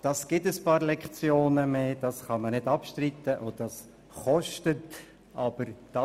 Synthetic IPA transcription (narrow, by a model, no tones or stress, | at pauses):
d̥ɑsɡ̥ɪtəspɑːɾlɛkχt͡sjoːnəmeːd̥ɑsχɑmənɪdɑpʃtrit̪ːəʔodɑs | χɔʃtət | ʔɑb̥əɾd̥ɑ